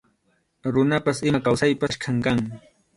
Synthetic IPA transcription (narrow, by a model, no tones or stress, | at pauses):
ɾʊnapasɪmakawsajpaʃkʰaŋkaŋɪ